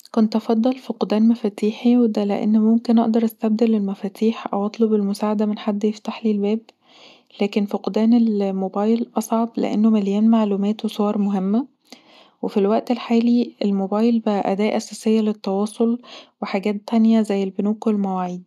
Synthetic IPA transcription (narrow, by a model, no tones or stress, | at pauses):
kont̪ʔɑfɑd̪ˤːɑlfiqd̪æːnmæfæːt̪iːħiwed̪ælḛʔḛnːmomkenʔɑ̰ʔd̪ɑɾˤʔæst̪æb̚d̪ælelmæfæːt̪ʰiːħʔæ̰wʔɑt̪ˤlobelmosaːʕad̪æmenħad̪ːjeft̪aħlilbæːb̚ | læːkenfiqd̪æːnelmobɑːjlʔɑsˤʕɑblḛʔḛnːomæljæːnmaʕluːmæːt̪wesˤowɑɾˤmoɦemːæ | wefilwæʔt̪elħaːliʔelmobæːjlbæʔæʔæ̰d̪æːʔæsæːsejːælet̪ːɑwɑːsˤolweħaːɡæːt̪ːænjæzæjːelbenuːklmæwaʕiːd̪